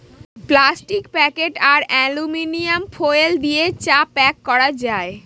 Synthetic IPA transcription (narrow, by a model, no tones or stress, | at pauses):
plasʈikpɛkeʈaɾɛluminiamfʰojeld̪iet͡ɕapɛkːɔɾad͡ʑae